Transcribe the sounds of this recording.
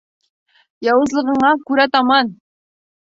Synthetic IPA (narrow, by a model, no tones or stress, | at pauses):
jɑwɤ̆zlˠɤ̆ʁɤ̆ɴɑkʉɾæt̪ɑmɑn